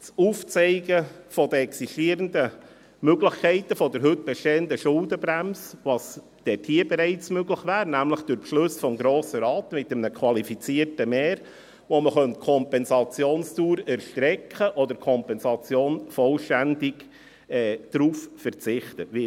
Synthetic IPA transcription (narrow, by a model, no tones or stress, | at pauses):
t͡suːft͡sɛɪɡəfɔd̥̪əɛksiʃtiːəɾəndə | møɡlɪχkʰɛɪtəfɔdəɾɦʏt̚b̥ɛʃteːənd̪əʃʊldəbɾæmsʋɑs | d̥ɛthiəbɛɾɛɪt͡smøɡləχʋæːɾnæmləχd̥ʊɾpʃlɵsfɔmɡɾoːsəɾɑːt̪mɪt̪əmnəkʰwɑlifit͡siːəɾtəmɛːɾ | ʋoməχœntkʰɔmpɛnsɑt͡sjoːnstuːɾæɾʃtɾɛkʰχəʔɔd̪əɾkʰɔmpɛnsɑt͡sjoːnfɔlʃtændɪɡː | d̥ɾuːffəɾt͡sɪχt̪əʋɪ